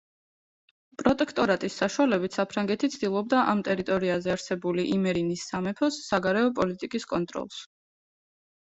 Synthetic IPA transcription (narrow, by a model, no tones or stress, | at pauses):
pʼɾɔt̪ʼɛkʰt̪ʼɔɾat̪ʼisːaʃualɛbit̪ʰsapʰɾaŋɡɛt̪ʰit̪sʰd̪ilˠɔb̚d̪aʔamt̪ʼɛɾit̪ʼɔɾiazɛaɾsɛbuliʔimɛɾinisːamɛpʰɔsːaɡaɾɛɔpʼɔlit̪ʼikʼiskʼɔnt̪ʼɾɔ̰lˠs